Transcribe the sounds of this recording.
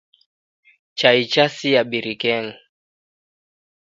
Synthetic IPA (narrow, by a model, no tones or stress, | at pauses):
t͡ʃait͡ʃasijaɓiɾikɛŋ